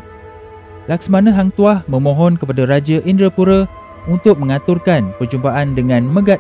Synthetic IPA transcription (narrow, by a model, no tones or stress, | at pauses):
laksmanə̃ɦaŋt̪uahmə̃mõɦɔnkəpadaɾad͡ʒaʔindɾəpuɾə | unt̪ʊk̚mə̃ŋat̪urkanpərd͡ʒumpaʔandəŋãnmə̃ɡat